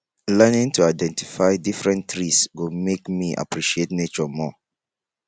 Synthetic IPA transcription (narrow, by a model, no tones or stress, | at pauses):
lɛnĩŋtuaɪdɛ̃nti̥faɪdifɹɛ̃ntɹisɡomekmiʔa̰pɹiʃietnet͡ʃɔmɔ